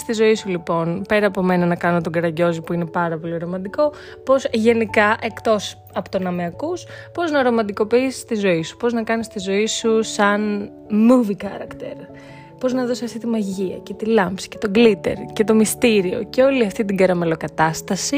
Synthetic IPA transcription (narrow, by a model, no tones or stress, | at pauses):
st̪izo̞isulipo̞npe̞ɾɐːpo̞me̞nɐnɐkɐno̞t̪oɡɐɾɐɟo̞zipuinepɐɾɐpo̞liɾo̞mɐd̪iko̞ | po̞sʝe̞nikɐʔe̞kt̪o̞s | ɐpot̪onɐmeɐkuspo̞znɐɾo̞mɐd̪iko̞piist̪izo̞isu̥po̞znɐkɐnist̪izo̞isusɐn | muvixɐɾɐkt̪eɾ | po̞znɐðo̞siɐft̪it̪imɐʝiɐ̰ce̞t̪ilɐmpsi̥ce̞t̪o̞ɡlit̪e̞̰ɾce̞t̪o̞mist̪iɾio̞̰ceo̞liɐft̪it̪iɡɐɾɐme̞lo̞kɐt̪ɐst̪ɐsi